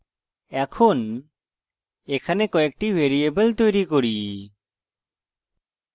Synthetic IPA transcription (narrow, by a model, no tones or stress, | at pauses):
ɛkʰun | ɛkʰanɛkɔɛk̚ʈibʱeɾiebəlt̪ojɾikɔɾi